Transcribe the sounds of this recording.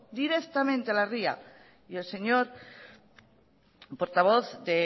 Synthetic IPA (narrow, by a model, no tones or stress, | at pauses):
d̪iɾe̞kt̪amẽ̞nt̪ealaria̰ | je̞lse̞ɲo̞ɾ | po̞ɾt̪aβo̞θd̪e